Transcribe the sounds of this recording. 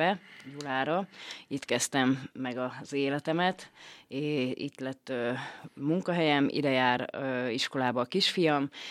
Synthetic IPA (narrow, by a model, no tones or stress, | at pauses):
ɛjulaːɾɒit̪kɛst̪ɛmːɛɡɒz̥eːlɛt̪ɛmɛt̪eḭt̪lɛt̪ːømuŋkɒɦɛjɛmʔḭd̪ɛjaːɾiʃko̞laːbɒːkiʃfijɒm